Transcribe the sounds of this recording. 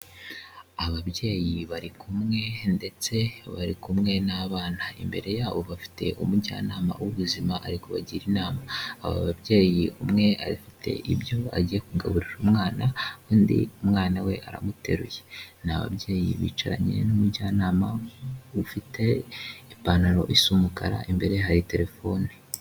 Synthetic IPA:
aβabje̞ːjiβaɾikumŋe̞nde̞t͡se̞βaɾikumŋe̞naβaːn̥haḭmbe̞ɾe̞jaːβo̞βafi̥te̞̰ʔumuɟa̰ːnaːma̰wuβuzimaʔaɾikoβaɟiɾinaːmaːβa̰βabje̞ːjiumŋe̞aɾifitʰe̞̰ʔibjo̞a̰ɟije̞kuɡaβuɾiɾumŋaːnakuːndḭumŋaːnawe̞ʔaɾa̰mute̞ɾujenaβa̰bɟe̞ːjḭβḭːt͡ʃaɾa̰ɲienumuɾɟaːnaːmaufitʰe̞ipanaɾo̞̰ʔisumukaɾa̰ʔimbe̞ɾe̞jɦaɾite̞ɾe̞fo̞ni

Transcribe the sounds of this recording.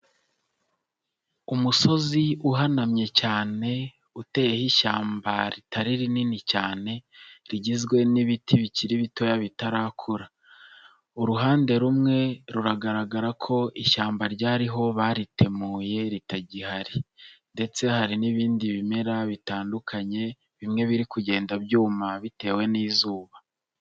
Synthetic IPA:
umuso̞ziuɦanamɲe̞caːne̞ | ute̞jehiʃaːmbaɾitaɾiɾininicaːne̞ɾiɟizɡwe̞niβitʰiβiciɾiβito̞jaβitaɾaːkʰuɾa | uɾuɦaːnde̞ɾumŋe̞ɾuɾaɡaɾaɡaɾakʰo̞ʔiʃaːmbaɾɟaːɾiɦo̞βaːɾitʰe̞muːje̞ɾitaɟihaɾinde̞t͡se̞haɾiniβiːndiβime̞ɾaβitaːndukʰaɲe̞ | βimŋe̞βiɾikuɟe̞ːndabjuːmaβite̞ːwe̞niːzuːβa

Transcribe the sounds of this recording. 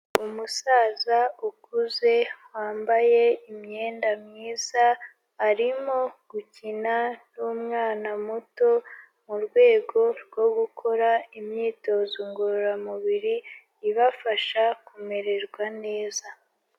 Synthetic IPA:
umusaːzaukuze̞waːmbaje̞imɲe̞ːndamɲiːz̥aː | ɾimo̞ɡ̥ucinanuːmŋaːnamuto̞ | muɾɡwe̞ːɡo̞ɾɡo̞ɡukʰo̞ɾaimɲiːto̞zoŋɡoɾoɾamuβiɾiː | βafaʃakume̞ɾe̞ɾɡwane̞ːza

